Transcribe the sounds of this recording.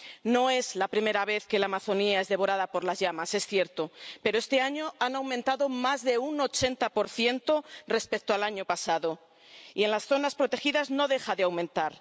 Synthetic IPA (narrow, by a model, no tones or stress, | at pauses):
no̞e̞zlapɾime̞ɾaβ̞e̞θke̞lamaθo̞niae̞zðe̞βo̞ɾaðapo̞ɾlazʝamase̞sθje̞ɾt̪ope̞ɾoe̞st̪e̞aɲo̞anawmẽnt̪aðo̞mazðe̞uno̞t͡ʃe̞nt̪apo̞ɾθje̞nt̪o̞re̞spe̞k̚t̪oalaɲo̞pasaðo̞ | ḭe̞nlasθo̞naspɾo̞t̪e̞xiðazno̞ðe̞xaðeawmẽnt̪aɾ